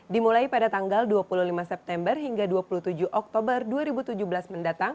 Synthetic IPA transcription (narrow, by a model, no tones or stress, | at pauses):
dimulaipadat̪aŋɡalduapuluhlimasɛp̚t̪ɛmbərɦiŋɡaduapuluht̪ud͡ʒuʔɔk̚t̪obərduaɾibut̪ud͡ʒubəlasməndat̪aŋ